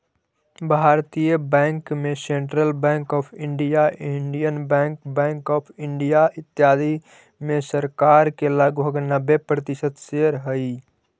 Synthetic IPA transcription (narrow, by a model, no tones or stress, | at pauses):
bʱaːɾt̪ijəbɛ̃ːŋkmẽsẽːɳʈɾəlbɛ̃ːŋkɔːpʰɪ̃ɳɖijaɪɳɖijənbɛ̃ːŋkbɛ̃ːŋkɔːpʰɪɳɖijaɪt̪ːjaːd̪ʱi | mẽsəɾkaːɾkeləɡbʱəɡnəbepɾət̪ɪsət̪seɾɦəi